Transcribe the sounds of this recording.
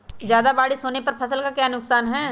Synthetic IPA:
zjaːd̪abaːɽisoːnepɐɾpʰɐsəlkakjaːnʊksaːnɦɛː

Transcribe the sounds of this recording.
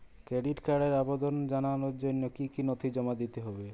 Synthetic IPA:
kɾeɖiʈkaɽeɾabod̪ond͡ʒananoonːokikinot̪ʰid͡ʑɔmad̪it̪eɦɔbe

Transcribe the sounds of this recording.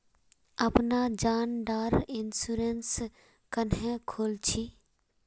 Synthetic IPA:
ɐpnad͡ʒaːnɖaːɾɪnsuɾens | kənẽkʰoːlt͡ʃʰi

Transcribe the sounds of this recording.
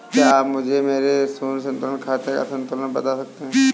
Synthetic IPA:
kaaːpmʊd͡ʒʱemeːɾesuːnsɐ̃nt̪ʊlənkʰaːt̪eka̰sɐ̃nt̪ʊlənbɐt̪asɐk̚t̪eɦɛ̃

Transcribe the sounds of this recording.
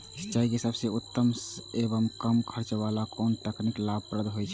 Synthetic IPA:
sə̥t͡ʃaikesəbseut̪ːəmsebəmkəmkʰəɾt͡ʃbalakoːnt̪əkniklab̚pɾəd̪ɦojt͡ʃʰ

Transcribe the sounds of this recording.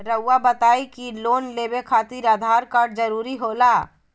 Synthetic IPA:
ɾəwːabət̪aːikiloːnleːbekʰaːt̪iːɾad̪ʱaːɾkaːɾɖ̚d͡ʒəɾuːɾiɦoːlaː

